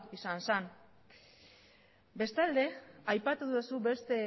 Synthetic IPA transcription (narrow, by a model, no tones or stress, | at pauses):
isansan | be̞st̪ald̪e̞ajpat̪uðusube̞st̪e̞